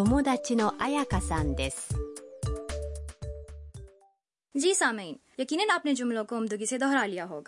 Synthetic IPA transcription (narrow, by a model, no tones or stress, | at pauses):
omod̪at͡ɕinoʔajakasãnd̪esɨ̥ | d͡ʒiːsaːmiːnjɐkiːnənaːpned͡ʒʊ̃mlõkoʊmd̪ʊɡised̪ɔɦɾaːlijaɦoːɡaː